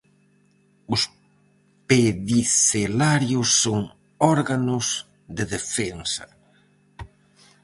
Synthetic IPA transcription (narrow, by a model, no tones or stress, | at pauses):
ʊs | peðiselaɾjʊsːoŋ | ɔɾɣanʊs | ðeðefɛnsɐ